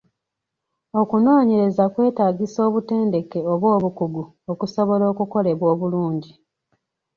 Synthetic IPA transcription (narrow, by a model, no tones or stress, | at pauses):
o̞kuno̞ːɲe̞ɾe̞zakwe̞ːtaːɡiso̞ːβute̞ːnde̞ke̞oβwo̞ːβukuɡu | okuso̞βo̞lo̞ːkuko̞le̞βwo̞ːβuluːɲɟi